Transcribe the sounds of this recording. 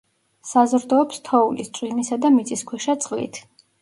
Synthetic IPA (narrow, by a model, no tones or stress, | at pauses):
sazɾd̪ɔːpst̪ʰɔulist̪sʼwimisad̪amit̪sʼiskʰwɛʃat̪sʼqʼlḭt̪ʰ